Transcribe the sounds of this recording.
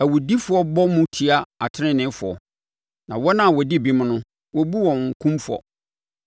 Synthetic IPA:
æ˨wu˨di˦fʊ˨˦ɔ˦bɔ˦mʊ̃˦tʰi˨a˦a˨tʰɪ˦ɾɪ̃˦nɪ̃˨˦fʊ˨ɔ̰˨ | nã˨wɔ˦nã˦˨wɔ˨di˦˨bi˦m˦nʊ̃˦ | wɔ˦bu˦wɔ̃˨ŋ̩˨kʰũ˦mfɔ̰˨

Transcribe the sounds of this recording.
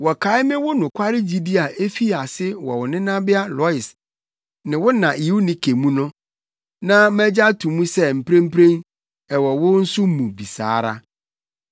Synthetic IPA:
wɔ˨kʰa˨˦ɪ˦mɪ̃˦wʊ˦nʊ̃˨kʷʰa˦ɾɪ˦d͡ʑi˨di˦a˨ʔe˦fi˦a˨sɪ˦wɔ̰˨wʊ˨nɪ̃˦nã˦bɪ˦a˦lɔ˨˦ɪ˨s | nɪ̃˨wʊ˦nã˨i˨˦wu˦nɪ̃˨kʰe˨mũ˦nʊ̃˦ | nã˦mæ˦d͡ʑa˦tʰũ˨mũ˦sɛ˦m̩˨pʰɾẽ˦m̩˦pʰɾẽ˦n | ɛ˨wɔ˨wʊ˦n̩˦sʊ˦mũ˨bi˨sa̰ː˨˦ɾa̰˦

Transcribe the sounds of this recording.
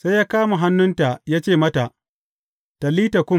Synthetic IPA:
sa˦jaː˦kaː˦ma˨ɦa˦nːʊ˦nta˨jaː˦t͡ʃeː˦˨mɐ˦ta˨ʔ | ta˨liː˦ta˨kʷʊ˦˨

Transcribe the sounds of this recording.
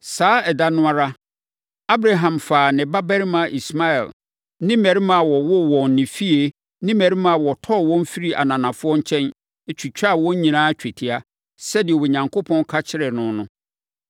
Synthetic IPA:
saː˨˦ɛ˨da˦nʊ̃˦a˦ɾa˦ | a˦bɾa˨ɦã˨mfaː˨nɪ̃˨ba˦bɛ˦ɾi˦mã˨ʔi˨sma˦ɛ̰˨l | nɪ̃˦mɛ̃˨ɾi˦mã˨wɔ˨wɔ˦˨wɔ̃˨n˨nɪ̃˨fi˦e˨ | nɪ̃˦mɛ̃˨ɾi˦mã˨wɔ˨tʰɔ˦˨wɔ̃˦m̩˦fi˦ɾi˦ʔa̰˨nã˨nã˨fʊ˦ɔ˦ɲ˦t͡ɕʰɛ̃˦n | e˦t͡ɕʰᶣu˨t͡ɕᶣa˦˨wɔ̃˦ɲ̩˦ɲĩ˨nãː˦t͡ɕᶣɛ˨tʰi˨a˦ | sɛ˦dɪ˨ɛ˨we˨ɲã˨ŋkʰo˦pʰɔ̃˦nkʰa˦t͡ɕʰɪ˦ɾɛ˨nʊ̃˦nʊ̃˦

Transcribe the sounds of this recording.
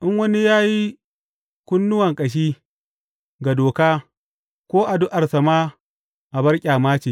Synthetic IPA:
ʔɪ˦ŋwɐ˦ni˦jaː˦ji˦ | kʷʊ˦nːʊ˦wɐ˨ŋkʼɐ˨ʃ̬iː˦ | ɡa˨doː˨kaː˦ | kʷoː˦ʔa˨dʊ˦ʔa˨rsɐ˨maː˦ | ʔa˨bɐ˦rkʲʼaː˨maː˦t͡ʃiː˨

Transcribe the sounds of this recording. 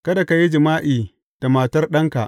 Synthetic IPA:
kɐ˦da˨ka˨ji˦d͡ʒɪ˨maː˦ʔiː˨ | d̥a˨maː˨tɐ˦rɗɐ˦ŋka̰˨ʔ

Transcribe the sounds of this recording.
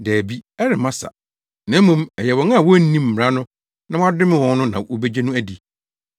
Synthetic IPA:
dæː˨bi˦ɛ˦ɾɪ˨mã˦sa̰˨ | nã˨˦mũ˦mɛ˨jɛ˨wɔ̃˨ŋ˦a˦˨wɔ˦n̩˦nĩ˦m̩˨m˨ɾa˦nʊ̃˦ | nã˦wa˦dɪ˦mɪ̃˦wɔ̃˨nnʊ̃˦nã˨wo˦be˦d͡ʑe˦nũ˦æ˦di˨

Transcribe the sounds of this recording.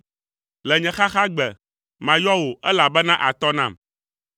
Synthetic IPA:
lɛ˨ɲɛ̃˨xa˦xa˦ɡ͡bɛ˨ | mã˨jɔ˦wo˨ʔɛ˦la˨bɛ˦nã˦ʔa˨t̪ɔ˦nã˦˨m

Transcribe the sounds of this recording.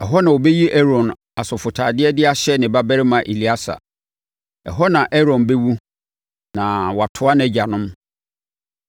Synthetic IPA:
ɛ˨ɦɔ˦nã˨wo˨bɛ˦ji˦ʔɛ˦ɾɔ̃˨n | a˨sʊ˨fʊ˨tʰaː˨dɪ˦ɛ˦dɪ˦a˦ɕɛ˦nɪ̃˨ba˦bæ˦ɾɪ˦mã˨ʔi˨li˨˦a˦sa̰˨ | ɛ̰˨ɦɔ˦nã˨ʔɛ˦ɾɔ̃˨nbɛ˦wu˦ | nã˨wa˨tʰʊ˨˦a˦nɛ̃˨d͡ʑa˨nʊ̃˦m

